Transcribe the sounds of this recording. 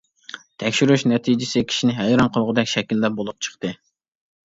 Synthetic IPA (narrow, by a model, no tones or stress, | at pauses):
t̪ʰɛkʲʃyɾyʃnɛt̪ʰijd͡ʒɪsɪkʲʰi̥ʃinɪɦɛjɾɑnqʰəlˠʁəd̪ɛkʲʃɛkʲilːæp̚bolˠup̚t͡ʃʰə̥χt̪ɨ